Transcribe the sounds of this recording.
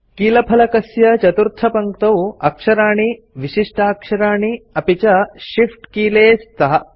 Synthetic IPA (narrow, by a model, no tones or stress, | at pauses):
kiːlɐpʰɐlɐkɐsjɐt͡ʃɐt̪uɾt̪ʰɐpɐŋk̚t̪ɐwɐkʂɐɾaːɳi | ʋiʃiʂʈʰɐːkʂɐɾaːɳiɐpit͡ʃɐʃifʈkiːleːst̪ɐɦɐ